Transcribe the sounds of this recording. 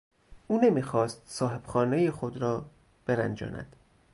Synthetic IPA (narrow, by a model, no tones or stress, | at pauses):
ʔuːne̞miːxɒːst̪sɒːɦe̞b̥xɒːnejexod̪ɾɒː | b̥e̞ɾæ̰nd͡ʒɒ̰ːnæ̰d̪̥